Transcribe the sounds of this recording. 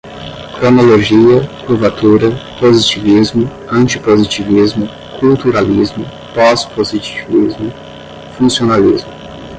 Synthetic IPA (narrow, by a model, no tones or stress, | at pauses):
kɾonoloʒiɐkɾuvat̪uɾɐpozit͡ʃivizmʊ | ɐ̃nt͡ʃipozit͡ʃivizmʊ | kʰult̪uɾalizmʊ | pɔspozit͡ʃivizmʊ | fũsionalizmʊ